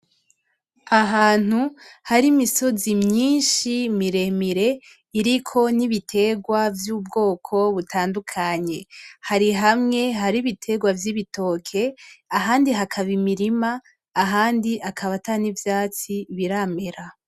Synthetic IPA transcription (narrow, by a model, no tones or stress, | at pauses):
aɦaːn̥uhaɾimiso̞zimɲiːnʃimiɾe̞miɾe̞ | iɾikʰo̞niβitʰe̞ɡwavjuːbɡo̞ːkʰo̞βutʰaːndukʰaɲe̞haɾiɦamŋe̞ɦaɾiβitʰe̞ɡwavjiβitʰo̞kʰe̞aɦaːndiɦakʰaβimiɾimaː | ɦaːndiʔakʰaβatanivjaːt͡siβiɾame̞ɾa